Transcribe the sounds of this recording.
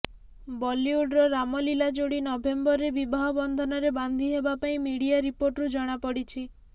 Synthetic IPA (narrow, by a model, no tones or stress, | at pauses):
bɔliuɖɾɔɾamɔlilad͡ʒoɽinɔbʱembɔɾebibʱaɦɔbɔnd̪ʱɔnɔɾeband̪ʱiɦebapaĩmiɽiaɾipoɾʈɾud͡ʒɔɽ̃apɔɽit͡ʃʰi